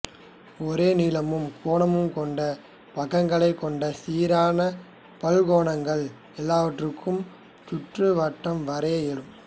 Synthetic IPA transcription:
ɔɾeːniːlɐmɯmkʰoːɳɐmɯmkɔɳɖɐ | pɐɣɐŋɡɐɭɐɪkːɔɳɖɐsiːɾaːnɐ | pɐlɣoːɳɐŋɡɐɭ | ɛlːaːʋɐʈrɯkːɯm | t̪ʊʈrɯʋɐʈːɐmʋɐɾeːɛlɯm

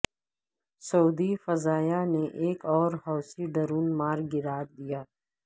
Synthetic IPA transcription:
sɐuːd̪ifɐzaːjaneʔeːkɔːɾɦɔːsiɖɐɾuːnmaːɾɡɪɾaːt̚d̪ijaː

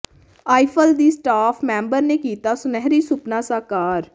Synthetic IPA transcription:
aːɪpʰəld̪iːsʈaːpʰmɛ̃ːmbəɾneːkiːt̪aːsʊnɛɦɾiːsʊpnaːsaːkaːɾ

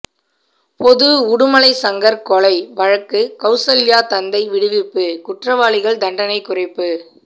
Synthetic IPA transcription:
pɔðɯʊɽɯmɐlɐɪsɐŋɡɐɾkɔɭɐɪʋɐɻɐkːɯkɐʊsɐljaːt̪ɐnd̪ɐɪʋɪɽɯʋɪpːɯkʊʈrɐʋaːɭɪɣɐɭd̪ɐɳɖɐnɐɪkːʊrɐɪpːɯ

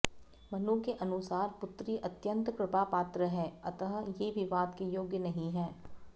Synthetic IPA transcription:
mɐnũkeʔɐnʊsaːɾpʊt̪ɾiʔɐt̪jə̃nt̪kɾɪpapaːt̪ɾəɦɛːɐt̪əɦjebʱiʋaːd̪kejoːɡjənɐɦĩɦɛː

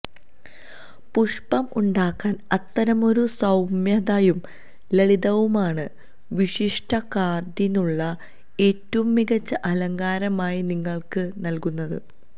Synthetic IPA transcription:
puʂpɐmuɳɖaːkːaːnɐt̪ːɐɾɐmo̞ɾusɐwmjɐðajum | lɐɭiðɐʋumaːɳɨ | ʋiʂiʂʈʰɐkaːrd̪inuɭːɐ | e̞ːtːɐʋumːiɡɐt͡ɕːɐʔɐlɐŋɡaːɾɐmaːjiniŋːɐɭkɨnɐlkunːɐðɨ̰

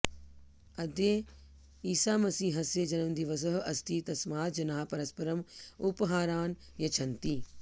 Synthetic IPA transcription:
ɐd̪e | iːsaːmɐsiːɦɐsed͡ʒɐnəʋə̃nd̪iːʋɐzɐɦɐst̪iːt̪ɐsmaːt̪̚d͡ʑɐnaːpɐɾɐspɐɾəmʊpɦaːɾaːn | jɐt͡ʃʰɐ̃nt̪iː

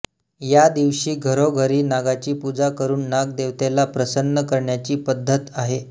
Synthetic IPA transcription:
jad̪iʋɕiːɡʱəɾoɡʱəɾiːnaɡat͡ɕiːpud͡zakəɾuːnːaɡ̚d̪eʋt̪elapɾəsənːəkəɾɳjat͡ɕiːpəd̪ʱːət̪aɦe

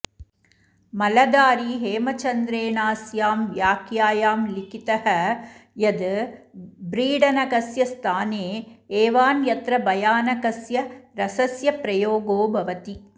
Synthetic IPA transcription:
mɐlɐd̪aːɾiɦeːmɐt͡ʃɐnd̪ɾeːnaːsjaːmʋjaːkjaːjaːmlɪkɪt̪ɐhɐjɐd̪ɯ | bɾiːɽɐnɐɣɐsjɐst̪ʰaːneːeːʋaːnjɐt̪ɾɐbɐjaːnɐɣɐsjɐɾɐsɐsjɐpɾɐjoːɡoːbɐʋɐt̪i

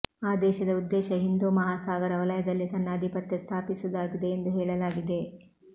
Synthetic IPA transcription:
aːd̪ɛːʃɐd̪ɐud̪ːɛːʃɐɦind̪uːmɐɦaːsaːɡɐɾɐʋɐlɐjɐd̪ɐlːit̪ɐnːɐːd̪ʱipɐt̪jɐst̪ʰaːpisud̪aːɡid̪e̞ːnd̪uɦɛːɭɐlaːɡid̪e̞

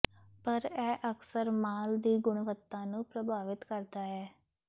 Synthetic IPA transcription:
pəɾɛːʔəksəɾmaːld̪iːɡʊɳʋət̪ːãːnũːpɾəbaːʋɪt̪kəɾd̪aːɛː

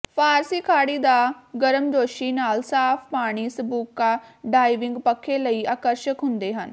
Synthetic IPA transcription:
pʰaːɾsiːkʰaːɽiːd̪aːɡəɾəmd͡ʒoːʃiːnaːlsaːpʰpaːɽ̃iːsəbuːkːaːɖaːiʋɪ̃ŋɡpəkʰːeːləiːaːkəɾʃəkɦʊ̃nd̪eːɦən

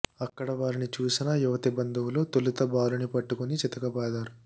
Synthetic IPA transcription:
ɐkːɐɽɐʋaːɾinit͡ʃuːsinɐjuʋɐt̪ibɐnd̪ʱuwlo̞ːt̪olut̪ɐbaːlunipɐʈːukunit͡ʃit̪ɐkɐbaːd̪aːɾu

